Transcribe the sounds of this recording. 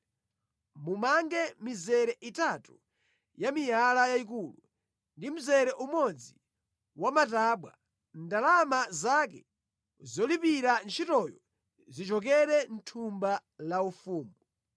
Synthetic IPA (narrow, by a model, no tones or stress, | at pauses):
mumaŋɡɛmizɛɾɛʔitatu | jamijalajaik̬ulu | ndim̩zɛɾɛʔumɔd͡zi | wamataɓwa̰ | ndalamazakɛ | zɔlipiɾant͡ʃʰitɔjɔ | zit͡ʃɔk̬ɛɾɛn̩tʰumbalaufuːmbu